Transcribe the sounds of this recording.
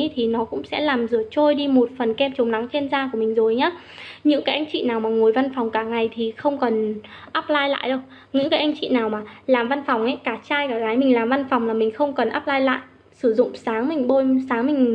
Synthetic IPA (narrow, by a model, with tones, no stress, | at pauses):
t̪ʰi˨˩nɔ˨˦kʊ̰˧˥ŋ͡msɛ̰˧˥laː˨˩mzɨ˧˩ət͡ɕo˧jɗi˧mo˨˩t̚fə˨˩nkɛ˧mt͡ɕʊ˨˦ŋ͡mna˨˦ŋt͡ɕe˧nzaː˧k̬u˧˩əmï˨˩ŋ̟zo˨˩jɲaː˨˦ | ɲɨ̰˧˥ŋkaː˨˦jʔa˧jŋ̟t͡ɕḭ˧˨naː˨˩wmaː˨˩ŋo˨˩əjva˧nfa˨˩wŋ͡mkaː˧˩ŋa˨˩jt̪ʰi˨˩xə˧wŋ͡mkə˨˩nʔaː˦˥p̚laː˧jla̰ː˧˨jɗə˧w | ɲɨ̰˧˥ŋkaː˨˦jʔa˧jŋ̟t͡ɕḭ˧˨naː˨˩wmaː˨˩laː˨˩mva˧nfa˨˩wŋ͡mʔa˨˦jkaː˧˩t͡ɕaː˧jkaː˧˩ɣaː˨˦jmï˨˩ŋ̟laː˨˩mva˧nfɔ˨˩wŋ͡mlaː˨˩mï˨˩ŋ̟xə˧wŋ͡mkə˨˩nʔaː˦˥p̚laː˧jla̰ː˧˨j | sɨ˧˩zʊ̰˧˨ŋ͡msaː˨˦ŋmï˨˩ŋ̟ɓo˧jsaː˨˦ŋmï˨˩ŋ̟